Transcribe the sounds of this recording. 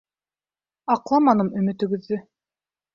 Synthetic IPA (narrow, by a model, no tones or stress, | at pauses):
ɑqlˠɑmɑnɤmɵ̆mɘ̆t̪ɵ̆ɡɵ̆ðːɵ